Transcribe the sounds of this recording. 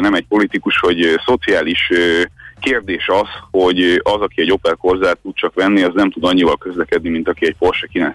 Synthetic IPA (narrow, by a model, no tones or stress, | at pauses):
nɛmɛc̚po̞lit̪ikuʃho̞ɟso̞t̪siaːliʃøkeːrd̪eːʃɒzho̞ɟɒzɒkiɛɟo̞pɛlko̞rzaːt̪ːut̪̚t͡ʃɒkʋɛnːiɒznɛmt̪ud̪ɒɲːivɒlkø̞zlɛkɛd̪nimin̪t̪ɒkiɛɟpo̞rʃɛkinɛ